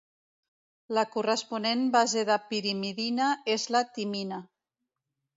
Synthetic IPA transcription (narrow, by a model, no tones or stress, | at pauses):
lakurəspunenbazeðapiɾimiðinaezlat̪imina